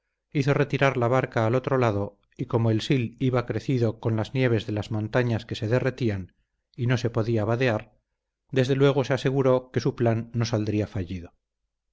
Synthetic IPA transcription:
iθo̞re̞t̪iɾaɾlaβaɾkaːlo̞t̪ɾo̞laðo̞ | iko̞moelsiliβakɾe̞θiðo̞ko̞nlaznje̞β̞e̞zðe̞lazmõ̞nt̪aɲaske̞se̞ðe̞re̞t̪ian | ino̞se̞po̞ðiaβaðe̞aɾ | d̪e̞zðe̞lwe̞ɣ̞o̞se̞ase̞ɣ̞uɾo̞ke̞suplanːo̞sald̪ɾiafaʝiðo̞

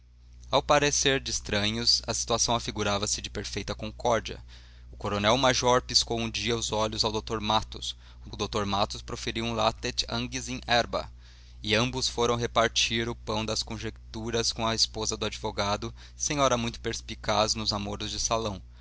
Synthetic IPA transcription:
awpaɾeseɾd͡ʒɪist̪ɾɐ̃ɲʊsɐsi̥t̪uasɐ̃w̃afiɡuɾavɐsɪd͡ʒɪpeɾfejt̪ɐkõkɔɾd͡ʒiɐ̰ | ʊkoɾonɛwmaʒɔɾpiskowũd͡ʒiɐʊzɔʎʊzawd̪owt̪oɾmat̪ʊs | ʊd̪owt̪oɾmat̪ʊspɾofeɾiwũlat̪et͡ʃɐ̃ŋɡizẽɛɾbɐ̰ | ɪɐ̃mbʊsfoɾɐ̃w̃ɦepaɾt͡ʃiɾʊpɐ̃w̃d̪ɐskõʒekt̪uɾɐskõw̃ɐispozɐd̪ʊad͡ʒivoɡad̪ʊ | sẽj̃ɔɾɐmũj̃t̪ʊ̥peɾspikaznʊzamoɾʊzd͡ʒɪsalɐ̃w̃

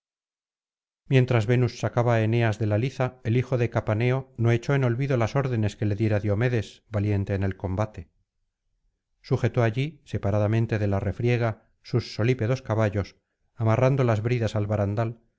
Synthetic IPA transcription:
mje̞nt̪ɾazβe̞nusːakaβae̞ne̞azðe̞laliθae̞lixo̞ðe̞kapane̞o̞no̞e̞t͡ʃo̞eno̞lβiðo̞laso̞ɾðe̞ne̞ske̞le̞ðje̞ɾaðjo̞me̞ðe̞zβalje̞nt̪e̞ːne̞lko̞mbat̪e̞ | suxe̞t̪o̞aʎise̞paɾaðamẽnt̪e̞ðe̞lare̞fɾje̞ɣ̞a | susːo̞lipe̞ðo̞skaβaʎo̞s | amarand̪olazβɾiðasalβaɾand̪al

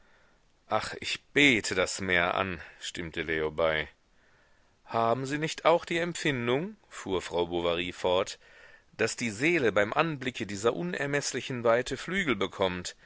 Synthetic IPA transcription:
ʔaχʔɪçb̥eːtʰədasmeːɐʔa̰nʃtɪmtʰəleːobaɪ | haːbm̩ziːnɪçtaʊxd̥iːɛmpfɪndʊŋfuːɐfʁ̥aʊbovaʁiːfɔɐt | d̥asd̥iːzeːləbaɪmʔanblɪkʰədiːzɐʔʊnɛ̰ɐmɛslɪçn̩vaɪtʰəflyːɡl̩bəkʰɔmt

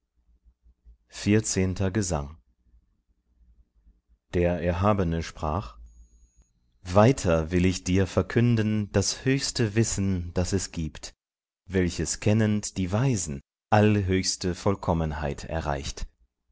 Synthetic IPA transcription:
fiːɐt͡seːntʰɐɡəza̰ŋ | d̥eːɐʔɛɐɦaːbənəʃpʁ̥aːχ | vaɪtʰɐvɪlɪçd̥iːɐfɛɐkʰʏndn̩d̥ashøːçstəvɪsn̩d̥asɛsɡ̥iːpt | vɛlçəskʰɛnəntd̥iːvaɪzn̩ | ʔaləɦøːçstəfɔlkʰɔmənha̰ɪtʰɛ̰ɐʁa̰ɪçt

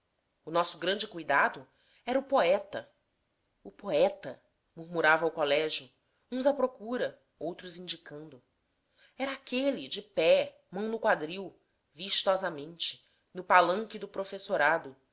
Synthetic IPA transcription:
ʊnɔsʊɡɾɐ̃nd͡ʒɪkujd̪ad̪ʊ | ɛɾɐʊpoɛt̪ɐ | ʊpoɛt̪ɐ | muɾmuɾavɐukolɛʒʊ | ũzɐpɾokuɾɐ | owt̪ɾʊzĩnd͡ʒikɐ̃nd̪ʊ | ɛɾɐakʰelid͡ʒɪpɛ | mɐ̃w̃nʊkwad̪ɾiw | viʃt̪ɔzɐmẽnt͡ʃɪ̥ | nʊpalɐ̃ŋkɪd̪ʊpɾofesoɾad̪ʊ

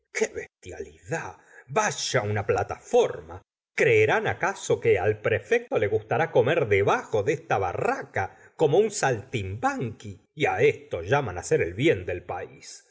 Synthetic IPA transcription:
kʰeβest̪ja̰liða | βaʃaunaplat̪afo̞ɾma | kɾeːɾanakasokealpɾefek̚t̪o̞le̞ɣust̪aɾako̞meɾðeβaxo̞ðest̪aβa̰raka | ko̞mo̞unsalt̪imbaŋkiːaest̪oʒamanaseɾelβjend̪e̞lpais

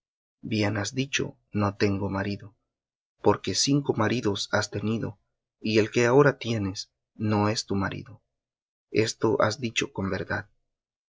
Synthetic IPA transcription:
bje̞nazðit͡ʃo̞̰ | no̞t̪e̞ŋɡo̞maɾiðo̞ | po̞ɾke̞siŋko̞maɾiðo̞sast̪e̞niðo̞̰ | ie̞lke̞ao̞ɾat̪je̞ne̞s | no̞e̞st̪umaɾḭðo̞ | e̞̰st̪o̞ʔa̰zd̪it͡ʃo̞ko̞mbe̞ɾðað

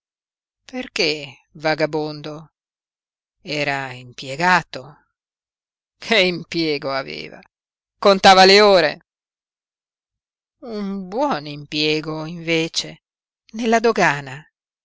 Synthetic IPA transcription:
perke | vaɡabond̪o | ɛːɾaimpjeɡaːt̪o | kʰeimpjɛːɡoavḛːva̰ | kont̪aːvaleoːɾḛ | umbwɔnimpjɛːɡoiɱveːt͡ʃe | nelːad̪oɡaːna

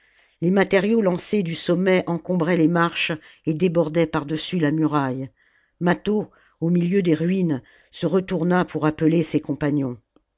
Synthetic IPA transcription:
lemat̪eʁjolɑ̃sed̪ysɔmːɛʔɑ̃kɔ̃bʁɛlemaʁʃ | ed̪ebɔʁd̪ɛpaʁd̪əsylamyʁaj | mat̪o | omiljød̪eʁɥin | səʁət̪uʁnapʰuʁapəlesekɔ̃paɲjɔ̃

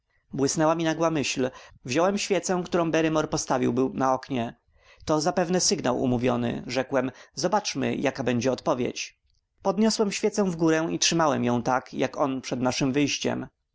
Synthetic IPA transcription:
bwɘsnɛwamʲinaɡwamɘɕlvʑɔwɛmɕfʲjɛt̪sɛ̃kt̪uɾɔ̃w̃bɛɾɘmɔɾpɔst̪avʲiwbɘwnaɔkɲɛ | t̪ɔzapɛvnɛsɘɡnawʔṵmuvʲjɔnɘ̰ʐɛkwɛmzɔbat͡ʂmɘ̰jʔakabɛɲd͡ʑɛɔt̪pɔvʲjḛt͡ɕ | pɔd̪ɲɔswɛmɕfʲjɛt̪sɛ̃w̃vɡuɾɛ̃itʂɘmawɛmjɔ̃w̃t̪akjakɔnpʂɛd̪naʂɘmvɘjɕt͡ɕɛ̰m

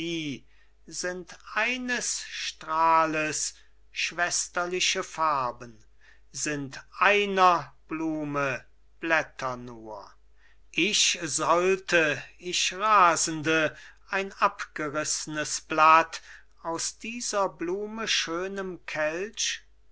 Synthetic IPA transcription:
iː | zɪntʔaɪnəsʃtʁ̥aːləs | ʃv̥ɛstɐlɪʃəfaɐbən | zɪntʔaɪnɐb̥luːmə | b̥lɛtʰɐnuːɐ | ʔɪʃzɔltʰəɪʃʁaːzən̩dəʔaɪnʔapɡ̥əʁɪsənəsb̥lat | aʊsd̥iːzɐbluːməʃøːnəmkʰɛlt͡ʃ

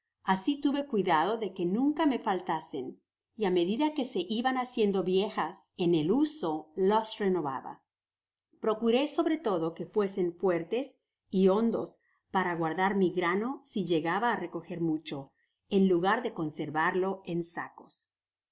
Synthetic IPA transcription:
asit̪uβe̞kwiðað̞o̞ðe̞ke̞nũŋkame̞falt̪ase̞n | iame̞ðiðake̞se̞ʔiβanasje̞nd̪o̞βje̞xas | e̞ne̞luso̞lasre̞no̞βa̰βa̰ | pɾo̞kuɾe̞so̞βɾe̞t̪o̞ðo̞ke̞fwe̞se̞ɱfwe̞ɾt̪e̞s | io̞nd̪o̞s | paɾaɣwaɾðaɾmiɣɾano̞siʝe̞ɣaβaːre̞ko̞xe̞ɾmut͡ʃo̞ | e̞nluɣaɾðe̞ko̞nse̞ɾβaɾlo̞e̞nsa̰ko̞̥s

